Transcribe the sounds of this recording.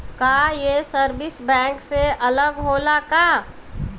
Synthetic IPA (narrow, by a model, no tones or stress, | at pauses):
kaːjesəɾbɪsbɛ̃ːŋkseələɡɦoːlakaː